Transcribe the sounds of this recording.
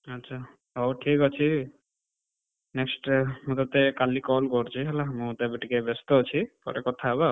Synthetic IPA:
ətːʃʰa | ɦowʈʰikɔt͡ʃʰi | neksʈmũt̪at̪ekalikɔlkɔɾt͡ʃʰiɦɛlamũt̪ebeʈikebest̪ot͡ʃʰipɔ̰ɾekɔt̪ʰaba

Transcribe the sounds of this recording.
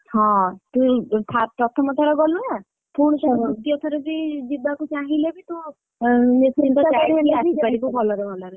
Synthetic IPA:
hɔ̃t̪ut̪ʰatɔt̪ʰɔmɔt̪ʰaɾɔɡɔluɦa | pʰuɽ̃sɔk̪iɔt̪ʰaɾɔbid͡ʒibakut͡ʃaɦilebit̪ũ | nesint̪ɔt͡ʃaɾɡiasipaɾikubʱɔlɔɾebʱɔlɔɾe

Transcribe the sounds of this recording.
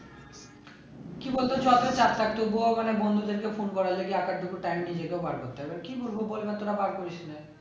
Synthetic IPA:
kibolt̪ot͡ɕɔt̪et͡ɕat̪ʰak̚t̪oboɔɡanebond̪ʱud̪eɾkefunkɔɾaleɡiakaɾɖʱukuʈajmnid͡ʑekeobaɾkot̪ːeebaɾkibuɾbʱobolbet̪oɾabaɾkoɾet͡ɕʰina

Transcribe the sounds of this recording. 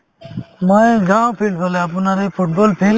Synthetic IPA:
mɔjɡawpʰilbɔleap̬unaɾepʰuʈ̚bɔlpʰil

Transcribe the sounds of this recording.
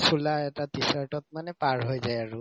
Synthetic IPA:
sulaɛtatisaɹʈɔt̚manɛpaɹɦojzajaɹu

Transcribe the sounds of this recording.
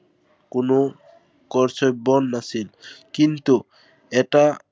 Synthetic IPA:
kono | kɔɾsʰɔjbɔnːasilkint̪u | ɛʈa

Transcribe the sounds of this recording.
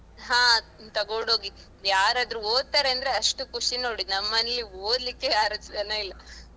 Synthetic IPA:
ɦãːt̪ɐɡoɖoːɡi | jaːɾaːd̪ɾuoːɡ̪̚t̪aːɾeɐnd̪ɐɾe̞ɐʂʈukuʂinoːɽinɐmːɐnelioːd̪likːejaːɾɐt͡ʃɐd̪ɐneilːɐ

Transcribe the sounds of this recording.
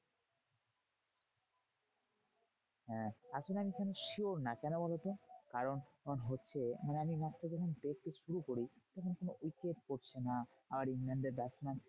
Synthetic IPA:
ɦɛ̃aʃbenamikʰaneʃioɾnakɛnobɔlet̪okaɾonnɦotːɕʰemaneaminasted͡ʑɔkʰond̪ek̚ʰt̪eʃuɾukoɾit̪ɔkʰonkonoʔojkeʈ̚koɾt͡ɕʰena | amaɾiŋlaɳɖeɾbɛsman

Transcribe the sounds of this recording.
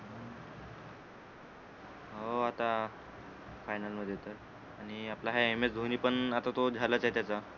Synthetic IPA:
ɦ | ɦoat̪a | fajnalməd̪ʱjet̪əɾ | aɽ̃iaplaɦaemesd̪ʱoniːpəɳat̪at̪od͡zʱalət͡set̪jat͡sa

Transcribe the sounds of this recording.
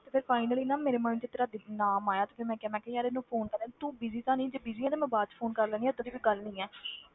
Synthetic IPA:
t̪eːpʰɪɾpʰaːɪnəliːnãːmeːɾeːmãːnũːt͡ʃet̪ːeɾaːd̪inaːmaːjaːt̪eːpʰɪɾmɛ̃ːkaːmɛ̃ːkejaːɾeːnũːpʰoːnkəɾɛːt̪ũːbiːziːt̪ãːnĩːd͡ʒeːbiːziːɛːt̪eːmɛ̃ːbaːd͡ʒpʰoːnkəɾlɛːniɛːt̪od̪iːʋiːɡəlnĩːɛː

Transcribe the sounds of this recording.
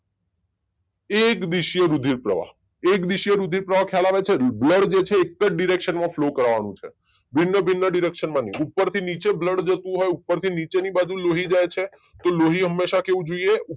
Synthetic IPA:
ekd̪iʃjəɾud̪ʱiɾpɾəʋa̰ | ekd̪iʃjəɾud̪ʱiɾpɾəʋakʰjalaʋet͡ʃʰebləɽd͡ʒet͡ʃʰeːkːəd͡ʒɖiɾekʃənmãflokəɾʋanṵ̃t͡ʃʰḛ | bʱinːəbʱinːəɖiɾekʃənmãniupːəɾt̪ʰinit͡ʃebləɖd͡ʒət̪ũɦojupːəɾt̪ʰinit͡ʃenibad͡ʒuloɦid͡ʒajt͡ʃʰe | t̪oloɦiɦəmːeʃakeʋũd͡ʒoijeu

